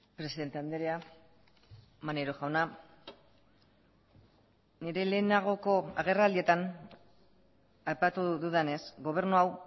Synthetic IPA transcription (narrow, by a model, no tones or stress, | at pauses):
pɾe̞siðe̞nt̪e̞and̪eɾea | maneɾo̞xawna | niɾe̞le̞ːnaɣ̞o̞ko̞aɣ̞e̞rald̪ie̞t̪an | ajpat̪uðuðene̞sɡo̞β̞e̞ɾnuaw